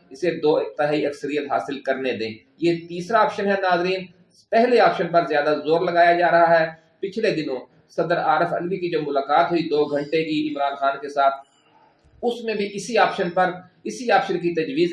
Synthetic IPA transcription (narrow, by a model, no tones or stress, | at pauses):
ɪsed̪oːɪt̪ɪɦaːiɐksəɾijət̪ɦaːsɪlkəɾned̪ẽː | jeːt̪iːsɾaaːpʃənɦɛnaːzɾiːn | pɛɦleaːpʃənpəɾzjaːd̪azoːɾləɡaːjad͡ʒaːɾɐɦaɦɛː | pɪt͡ʃʰled̪ɪnõː | sɐd̪əɾaːɾəfʰə̰lʋikid͡ʒoːmʊlaːkaːt̪ɦʊid̪oːɡʱə̃ɳʈekiɪmɾaːnxaːnkesaːt̪̚ʰ | ʊsmẽbʱiʔɪsiaːpʃənpəɾ | ɪsiaːpʃənk̬it̪ɐd͡ʒwiːz